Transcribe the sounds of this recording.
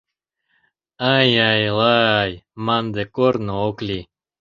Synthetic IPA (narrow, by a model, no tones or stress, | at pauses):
ajajlaajmand̪ekoɾnooklʲi